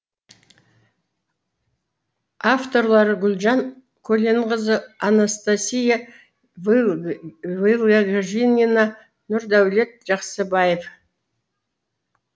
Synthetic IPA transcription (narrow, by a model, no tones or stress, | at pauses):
aft̪o̞ɾlˠɑɾəɡʲʏlʲʒɑŋ | kʲʰɵleɴʁəzəanast̪asʲija | vilˠaɡaʒinʲinɑ | nʊɾd̪æwle̞t̪̚ʒ̥ɑqsəbɑjef